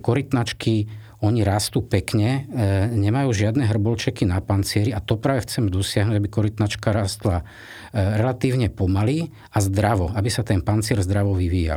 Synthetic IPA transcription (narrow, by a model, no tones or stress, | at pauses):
kɔɾit̪nat͡ʃki | ɔɲiɾaːst̪uːpɛkɲɛɲɛmajuːʒɪad̪nɛɦr̩bɔlt͡ʃɛkinapant͡sɪɛɾiat̪ɔpɾaːʋɛxt͡sɛmɛd̪ɔsɪaɦnuːɟabikɔɾit̪nat͡ʃkaɾaːst̪la | ɾɛlat̪iːʊɲɛpɔmali | azd̪ɾaʋɔabisat̪ɛnpant͡sɪɛɾzd̪ɾaʋɔʋiʋiːja̰l